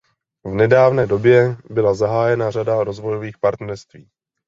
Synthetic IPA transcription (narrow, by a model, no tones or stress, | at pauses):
vnɛdaːvnɛːdo̞bjɛbɪlazaɦaːjɛnar̝adaɾo̞zvo̞jo̞viːxpaɾt̪nɛɾst̪viː